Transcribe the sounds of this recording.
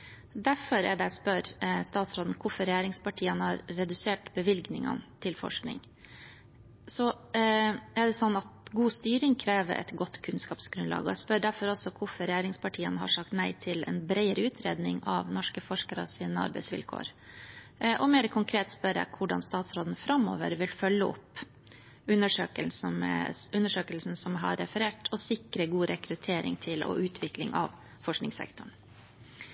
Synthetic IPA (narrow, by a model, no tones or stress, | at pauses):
d̪æɾfɔɾɛɖɛæspœɾst̪ɑːt̪sɾoːd̪n̩kʰʊfɔɾɛjæːɾɪŋspɑʈʰiːənhɑɾːɛd̪ʉseːʈbəʋɪlɡnɪ̰ŋɑ̰nt̪ʰɪlfɔ̰ʂknɪ̰ŋ | sɔ | æɖɛsɔnːɑt̪ɡuːst̪yːɾɪŋkʰɾeːʋə̰ɾʔɛ̰t̪ɡɔt̪ːkʰʉnskɑːpsɡɾʉnlɑ̰ːɡɔ̰ɛɪspœɾɖæɾfɔɾɔlsɔkʰʊfɔɾɛjæːɾɪŋspɑʈʰiːənhɑ̰ʂɑk̚t̪næɪt̪ʰɪlɛ̰nbɾæɪəɾəʉːt̪ʰɾḛːd̪nɪŋɑ̰ʋnɔʂkəfɔʂkəɾə̰siːnəɑ̰ɾbɛɪsʋɪ̰lkʰo̰ːɾ | ʔɔmeːɾkʰʊŋkʰɾeːt̪spœɾɛ̰kʰʊɖɑ̰nst̪ɑːt̪sɾoːd̪nfɾɑmo̰ːʋə̰ɾʋɪlfœlːəɔ̰pː | ʉnəʂøːkəlmʉnːəʂøːkəlsn̩sɔmɦɑ̰ɾːɛfəɾeːʈʰɔsɪkɾəɡuːɾɛkɾʉt̪ʰeːɾɪ̰ŋt̪ʰɪlʔɔ̰ʔʉːt̪ʰʋɪklɪŋʔɑ̰ʋ | fɔʂknɪŋsɛ̰kt̪ʊɳ